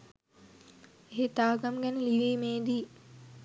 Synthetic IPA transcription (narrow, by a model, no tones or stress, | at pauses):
eɦet̪aːɡamɡænəliʋeːmeːd̪iː